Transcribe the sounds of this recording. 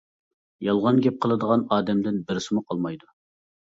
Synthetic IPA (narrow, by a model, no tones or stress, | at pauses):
jɑlˠʁɑnɡʲɛp̚qʰəlˠɨd̪əʁɑnɑːd̪ɛmd̪ɪnbɪɾɪsɪmuqʰɑlˠmɑjd̪u